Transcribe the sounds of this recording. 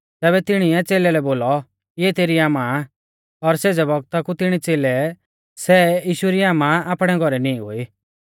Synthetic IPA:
t̪ɛːbɛt̪ɪɽ̃iɛt͡seːlɛlɛboːlɔ | ɪɛt̪eːɾiaːmã | ɔɾseːd͡zɛbɔɡt̪akut̪ɪɽ̃it͡seːlɛ | sɛjiːʃuɾiaːmãaːpɽ̃ɛɡʱɔɾɛnĩɦo̰ːi

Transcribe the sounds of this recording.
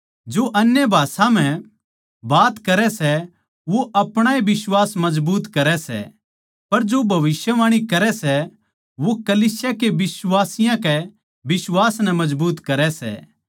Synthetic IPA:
d͡ʒoʔɐnjəbʱaːsãm̤ɛ̃ | baːt̪kɐɾɛsɛ | ʋoʔɐpɽ̃aebɪswaːsmɐd͡ʒbuːt̪kɐɾɛsɛ̰ | pɐɾd͡ʒobʱɐʋɪsjəʋaːɽ̃ikɐɾɛsɛ | ʋokɐliːsjakeʋɪsʋaːsɪjãkɛ | bɪsʋaːsnɛmɐd͡ʒbuːt̪kɐɾɛsɛ̰ː

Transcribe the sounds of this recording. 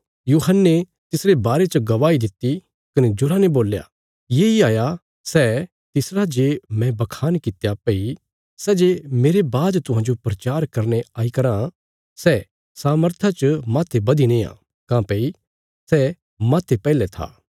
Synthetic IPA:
juːɦənːe | t̪ɪsɾebaːɾet͡ʃɐɡɐʋaːid̪ɪt̪ːi | kɐned͡ʒʊɾaneboːlja̰ | jeːiaːja | sɛː | t̪ɪsɾad͡ʒeːmɛ̃bɐkʰaːnkɪt̪ejapei | sɛːd͡ʒeːmeːɾebaːd̪t̪ʊɦãːd͡ʒopɾɐt͡ʃaːɾkɐɾneaːikɐɾã | sɛː | saːməɾt̪ʰat͡ʃɐmaːt̪ʰebɐd̪inẽã̰ | kãːpei | sɛː | maːt̪ʰepɛːlet̪ʰa̰ː

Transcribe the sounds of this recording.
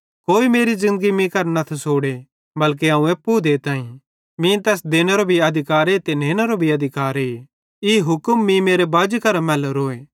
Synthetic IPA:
koːimeːɾizɪ̃nd̪ɡimĩkɐɾnɐt̪ʰsoːɽe | bɐlk̬eãːũeːpːud̪eːt̪ãːĩ | mĩt̪ɛːsd̪eːneɾobʱiɐd̪ʱɪkaːɾeːt̪eneːnɐɾobʱiɐd̪ʱɪkaːɾeː | ɪɦʊkəmːĩmeːɾebaːd͡ʒkɐɾamɛ̃ːlɐɾoːeː

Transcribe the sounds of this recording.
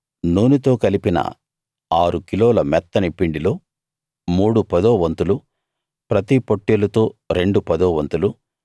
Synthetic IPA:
nuːnit̪o̞ːkɐlipinɐ̰ | aːɾukiloːlɐmɛt̪ːɐnipiɳɖilo̞ː | muːɽupɐd̪oːʋɐnt̪ulu | pɾɐt̪ipoʈːelɐt̪o̞ːɾe̞ɳɖupɐd̪ɔːʋɐnt̪ulu

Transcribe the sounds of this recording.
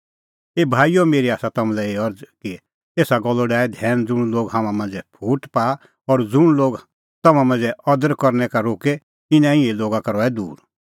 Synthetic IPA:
eːbʱaːijomeːɾiaːsat̪ɐmũlɛeːɔɾd͡zki | eːsaɡɔlːoɖaːɛd̪ʱɛːñd͡zʊɽ̃loːɡɦãːmãmãnd͡zɛpʰuːʈpaː | ɔɾd͡zʊɽ̃loːɡ | t̪ɐmãmãnd͡zɛɔd̪əɾkɔɾnɛkaɾoːke | ɪnɛ̃ɪ̃ẽloːɡakaɾɔɛd̪uːɾ

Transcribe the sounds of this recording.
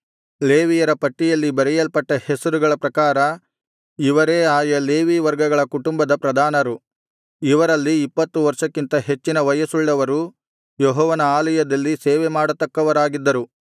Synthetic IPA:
leːʋijɐɾɐpɐʈːijɐlːibɐɾɛjɐlpɐʈːɐhesɐɾuɡɐɭɐpɾɐkaːɾɐ | iʋɐɾeːaːjɐleːʋiːʋɐɾɡɐɡɐɭɐkuʈumbɐd̪ɐpɾɐd̪ʱaːnɐɾu | iʋɐɾɐlːiːpːɐt̪ːuʋɐɾʂɐkːint̪ɐɦe̞t͡ʃːinɐʋɐjɐsuɭːɐʋɐɾu | jɔɦɔːʋɐnɐaːlɐjɐd̪ɐlːiseːʋɛmaːɽɐt̪ːɐkːɐʋɐɾaːɡid̪ːɐɾu

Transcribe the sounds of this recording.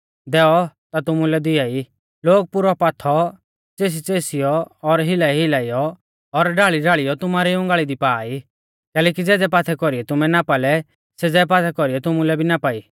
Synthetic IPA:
d̪ɛɔt̪at̪ʊmulɛd̪ɪjai | loːɡ̚pʊɾɔpaːt̪ʰɔ | t͡seːs̬it͡seːsijɔːɾɦɪlaiɦɪlaːijɔ | ɔɾɖaːɭiɖaːɭijɔt̪ʊmaːɾiʊ̃ŋɡaːɭid̪ipaːi | kɛːlɛːk̬id͡zɛːd͡zɛpaːt̪ʰɛkɔɾiɛt̪ʊmɛnapalɛ | sɛd͡zɛp̬aːt̪ʰɛkɔɾijɛt̪ʊmulɛbʱinapaːiː

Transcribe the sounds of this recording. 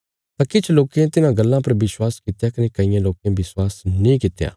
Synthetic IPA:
t̪ãːkɪt͡ʃʰloːkeãt̪ɪnãɡɐlːãpɐɾbɪswaːskɪt̪jakɐnekɐɪjãloːkjãbɪswaːsnĩːkɪt̪ja̰ː

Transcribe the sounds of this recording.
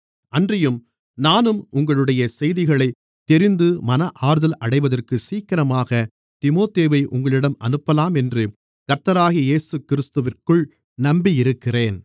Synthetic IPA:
ʔɐndrɪjɯm | naːnɯmʊŋɡɐɭɯɽɐjɐsɛjðɪɣɐɭɐɪ | t̪ːɛɾɪnd̪ɯmɐnɐʔaːɾɯðɐlʔɐɽɐɪʋɐðɐrkɯsiːkɐɾɐmaːɣɐ | t̪ɪmoːt̪eːʋɐɪʔʊ̰ŋɡɐɭɪɽɐmɐ̰nɯpːɐlaːmɛndrɯ | kɐɾt̪ɐɾaːɣijeːsɯkɪɾɪst̪ɯʋɪrkɯɭ | nɐmbijɪɾɯkːɪreːn

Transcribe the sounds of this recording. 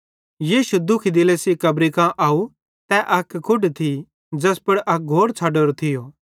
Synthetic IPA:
jiːʃud̪ʊkʰid̪ɪlesikɐbɾikãʔaːu | t̪ɛʔɐkkʰːʊɖt̪ʰi | d͡ʒɐspɐɽʔɐk̚ɡʱoːɾt͡sʰaːɖoːɾot̪ʰɪjoː

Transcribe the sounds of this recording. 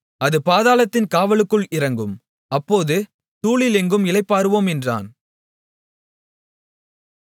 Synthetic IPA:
ɐðɯpaːðaːlɐt̪ːɪnkaːʋɐɭɯkːɯɭɪɾɐŋɡɯm | ɐpːoːðɯ | suːɭɪlɛŋɡɯmɪlɐɪpːaːɾɯʋoːmɛndra̰ːn

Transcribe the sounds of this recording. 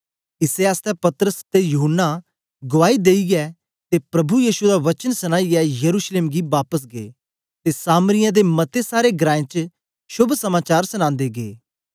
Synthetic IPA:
ɪseaːst̪ɛpɐt̪ɾəst̪ejʊɦənːa | ɡʊʋaːid̪eːiɡɛ | t̪epɾɐbujiːʃud̪aʋɐt͡ʃənsɐnaːiɡɛjɐɾuːʃleːmɡibaːpəs̬ɡḛː | t̪esaːməɾɪjãd̪emɐt̪esaːɾeɡɾãːẽt͡ʃ | ʃʊbʱsɐmaːt͡ʃaːɾsɐñãːnd̪eɡeː

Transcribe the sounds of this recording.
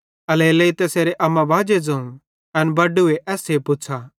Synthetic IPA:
ɐleːleit̪ɛseːɾeʔɐmãbʱaːd͡ʒed͡zɐ̃ũ | ɐnbɐɖueʔɛːsepʊt͡ʃʰa

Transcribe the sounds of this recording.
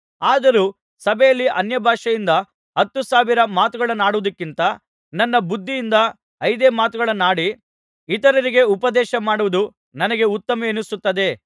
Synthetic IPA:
aːd̪ɐɾuː | sɐbʱɛjɐlːiʔɐnjɐbʱaːʂɐjind̪ɐ | ɦɐt̪ːusaːʋiɾɐmaːt̪uɡɐɭɐnaːɽuʋɐd̪ɐkːint̪ɐ | nɐnːɐbud̪ʱːijːnd̪ɐ | ɐjd̪eːmaːt̪uɡɐɭɐnaːɽi | it̪ɐɾɐɾiɡe̞upɐd̪ɛːʃɐmaːɽuʋɐd̪u | nɐnɐɡe̞ut̪ːɐmɐeːnusut̪ːɐd̪e̞

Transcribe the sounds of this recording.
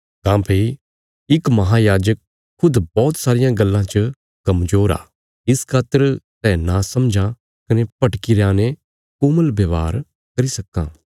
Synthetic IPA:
t̪ãːpʰeɾ | ɪkmɐɦajaːd͡ʒəkʰː | ʊd̪bɔːt̪saːɾɪjãɡɐlːãt͡ʃə | kɐmzoːɾa̰ː | ɪskʰaːt̪ːəɾsɛnãsɐ̃md͡ʒʱã | kɐnepɐʈkiɾãːne | kʊməlbjɐʋa̰ːɾ | kɐɾisɐkːã̰ː

